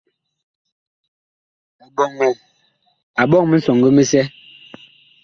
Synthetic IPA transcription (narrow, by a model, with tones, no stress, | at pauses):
m̩˨ɓɔ˨ŋme˨ | a˨ɓɔ˦ŋmi˦n̩sɔ˨ŋɡe˦me˦sɛ˦